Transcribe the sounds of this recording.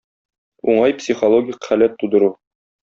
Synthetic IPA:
uɴɑjpsʲiχolˠoɡʲikχælæt̪ːud̪ɤ̆ɾu

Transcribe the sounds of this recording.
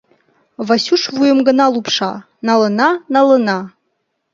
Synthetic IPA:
vasuʂvujəmɡənalupʰʂa̰ | nalənanaləna

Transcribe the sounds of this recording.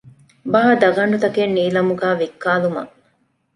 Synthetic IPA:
bɐɦɐd̪ɐɡɐɳɖut̪ɐkenːiːlɐmuɡaːʋekːaːlumɐ̰

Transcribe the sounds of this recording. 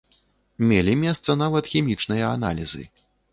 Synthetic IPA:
mʲelʲimʲɛst̪sɐnavɐt̪xʲɛmʲit͡ʂnɨjɐana̰lʲizɨ̰

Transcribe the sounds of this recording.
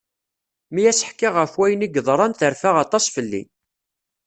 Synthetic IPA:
mijæsə̥ħkːiʁəfwæjəniɡəðˤɾˤɑnθəɾfaʁɑt̪ˤɑsˤfəlːḭ

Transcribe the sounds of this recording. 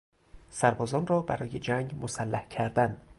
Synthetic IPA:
sæɾbɒːzɒːnrɒːbæɾɒːjed͡ʒæŋɡmosælːæhcʰæɾd̪æn

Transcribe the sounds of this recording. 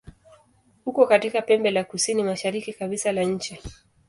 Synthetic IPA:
hukɔkatikapɛmbɛlakusinimaʃaɾikikaβisalaɲ̩t͡ʃi

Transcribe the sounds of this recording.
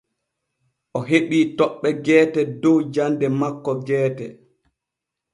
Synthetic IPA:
ʔɔɦeɓiːtɔɓːɛɡɛːtɛdɔwd͡ʒandɛmakːɔɡɛːtɛ

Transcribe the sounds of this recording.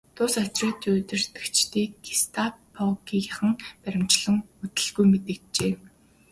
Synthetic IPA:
t̪ʰʊsɔt͡ɕrɔːt̪ʰiɵt̪ɵ̆r̥t̪ɘ̥̆kt͡ɕt̪iːɡi̥st̪ʰapʰɔkijaχə̆ŋpæɾʲɪ̆m̥t͡ɕɮə̆ŋɵt̪ɘ̆ɮɣujmet̪ɘ̆kt͡ɕeː

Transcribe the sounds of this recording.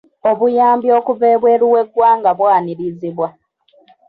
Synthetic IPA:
o̞βujaːmbjo̞ːkuveːβwe̞ːɾuwe̞ɡwaːŋɡaβwaːniɾiziβwa

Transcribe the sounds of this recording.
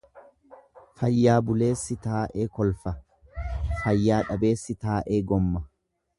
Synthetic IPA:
fɐjːaːbʊle̞ːsːɪt̪aːʔe̞ːkɔlfɐ | fɐjːaːᶑɐbe̞ːsːɪt̪aːʔe̞ːɡɔmːɐ

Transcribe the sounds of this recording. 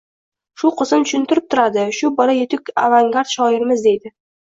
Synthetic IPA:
ʃuqʰəzəmt̪ɵ̥ʃɵnt̪ɪɾɪp̚t̪ʰʊɾad̪ɪʃubɒɾajet̪ɪkʲa̰vaŋɡaɾt̪ʃɒɪɾmɪzd̪ejd̪ɪ

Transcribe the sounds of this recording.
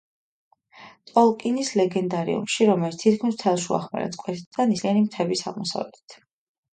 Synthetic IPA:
t̪ʼɔlˠkʼinislɛɡɛnd̪aɾḭṵmʃiɾɔmɛlit̪st̪ʰit̪̚kʰmist̪ʰɛlˠʃua̰χmɛ̰ɾɛ̰skʼwɛt̪ʰt̪d̪anisliɛnimt̪ʰɛbisa̰ʁmɔsa̰vlɛ̰t̪ʰi̥t̪ʰ

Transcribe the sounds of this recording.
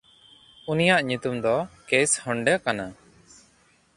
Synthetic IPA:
unijaʔɲut̪umd̪ɔkeshɔɳɖɛkana

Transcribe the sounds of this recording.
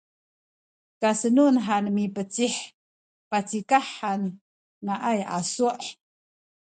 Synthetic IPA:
kasənunħanmipət͡siħ | pat͡sikaħan | ŋaʔaja̰suʔ

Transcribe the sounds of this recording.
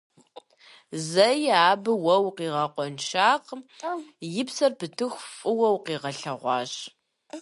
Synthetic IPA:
zɐjaːbɨwɐwqiːʁɐqʷʼɔnʃaːq | jɪpsɐrpɨtʰɨxʷfʼɨwɐwqiːʁɐɬɐʁʷɑ̰ːɕ

